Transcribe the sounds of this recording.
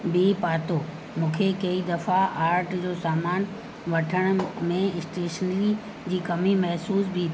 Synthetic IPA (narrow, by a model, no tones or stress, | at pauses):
bipaːt̪oː | mũːkʰekɐid̪ɐfaaːɾʈd͡ʑoːsaːmaːn | ʋɐʈʰəɽ̃̆mẽɪsʈeːʃənli | d͡ʑiːkɐmimɐɦsuːsbi